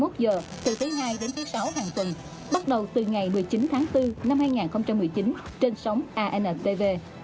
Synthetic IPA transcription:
mo˦˥t̚zəː˨˩t̪ɨ˨˩t̪ʰɨ˨˦jhaː˧jɗe˨˦nt̪ʰɨ˨˦jsa˨˦whaː˨˩ŋt̪ə˨˩n | ɓa˦˥t̚ɗə˨˩wt̪ɨ˨˩ŋa˨˩jmɨ˨˩əjt͡ɕi˨˦nt̪ʰaː˨˦ŋt̪ɨ˧na˧mhaː˧jŋaː˨˩nxə˧wŋ͡mt͡ɕa˧mːɨ˨˩əjt͡ɕi˨˦nt͡ɕe˧nsa˨˦wŋ͡mʔaː˧ʔɛ˧nʔɛ˧˥t̪e˧ve˧

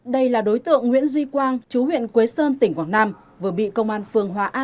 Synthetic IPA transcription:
ɗə˧jlaː˨˩ɗo˨˦jt̪ɨ̰˧˨əŋːwḭ˧˥ənzwi˧kwaː˧ŋt͡ɕu˨˦ɦwḭ˧˨ənkwe˨˦səː˧nt̪ï˧˩ŋ̟kwaː˧˩ŋnaː˧m | vɨ˨˧˩ɓḭ˧˨kə˧wŋ͡mʔaː˧nfɨ˨˩əŋɦwaː˨˦ʔaː˧

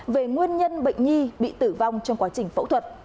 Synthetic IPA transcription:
ve˨˩ŋwi˧ənɲə˧nɓə̰˧˨jŋ̟ɲi˧ɓḭ˧˨t̪ɨ˧˩va˧wŋ͡mt͡ɕɔ˧ŋ͡mkwaː˨˦t͡ɕï˨˩ŋ̟fə̰˧˥t̪ʰwə˨˩t̚

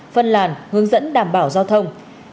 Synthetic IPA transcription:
fə˧nlaː˨˩nhɨ˨˧˦əŋzə̰˧˥nɗaː˧˩mɓaː˧˩wzaː˧wt̪ʰə˧wŋ͡m

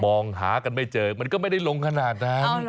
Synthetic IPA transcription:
mɔː˨˩ŋɦa̰ː˨˩˦ka˧˩nmaː˧˩jt͡ɕəː˨˩mə˨˩nkɔː˧˥ma˧˥˦ɗa˧˩jlo˧ŋkaː˧naː˨˩naː˧n

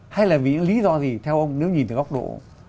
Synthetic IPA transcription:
ha˧jlaː˨˩vi˨˩ɲɨ̰˧ŋli˨˦zɔ˧zi˨˩t̪ʰɛ˧wʔə˧wŋ͡mne˨˦wɲi˨˩nt̪ʰɨ˨˧˩ɣk͡p̚ɗo̰˧˨

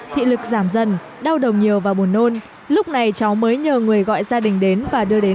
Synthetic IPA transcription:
t̪ʰḭ˧˨lɨ˨˩k̚zaː˧˩mzə˨˩n | ɗa˧wɗə˨˩wɲi˨˩əwvaː˨˩wɓu˨˩ənːo˧n | lʊ˦˥k͡p̚na˨˩jt͡ɕa˨˦wməː˨˦jɲəː˨˩ŋɨ˨˩əjɣɔ̰˧˨jzaː˧ɗï˨˩ŋ̟ɗe˨˦nvaː˨˩ɗɨ˧əɗe˨˦

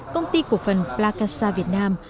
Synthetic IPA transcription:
kə˧wŋ͡mt̪i˧ku˨˩ək̚fə˨˩nplaː˧kaː˧saː˧vi˨˩ət̚naː˧m

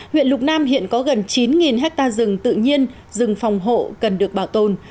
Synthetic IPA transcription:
hwḭ˧˨ənlʊ˨˩k͡p̚naː˧mɦḭ˧˨ənkɔ˨˦ɣə˨˩nt͡ɕi˨˦nŋi˨˩nɦɛ˦˥k̚t̪aː˧zɨ˨˩ŋt̪ɨ̰˧˨ɲi˧ən | zɨ˨˩ŋfa˨˩wŋ͡mɦo̰˧˨kə˨˩nɗɨ˨˩ək̚ɓaː˧˩wt̪o˨˩n

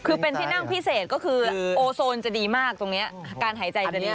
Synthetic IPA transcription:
kʰɯː˧pe˧nt̪ʰiː˥˩na˥˩ŋpʰi˦˥˩seː˨˩t̪̚kɔː˥˩kʰɯː˧ʔoː˧soː˧nt͡ɕa˨˩diː˧maː˥˩k̚t̪o˧ŋni˦˥ɐkaː˧nɦaː˩˦jt͡ɕa˧jt͡ɕa˨˦˥

